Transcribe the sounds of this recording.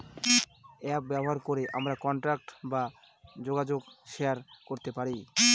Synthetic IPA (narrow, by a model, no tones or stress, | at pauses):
ɛp̚bɛboɦaɾkoɾeʔa̰mɾakɔɳʈɾak̚ʈba | d͡ʑoɡad͡ʑoɡʃeaɾkoɾt̪epaɾi